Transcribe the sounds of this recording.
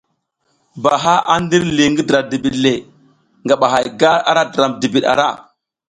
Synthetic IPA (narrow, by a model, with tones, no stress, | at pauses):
ba˨ɦa˦ʔa˦n˦di˦ɾli˨ŋɡi˦dɾa˨mdi˨bi˨ɗle˨ | ŋɡa˨ɓa˨ɦa˨jɡa˦ɾa̰˦ɾa˦dɾa˨mdi˨bi˨ɗa̰˨ɾa̰˦˨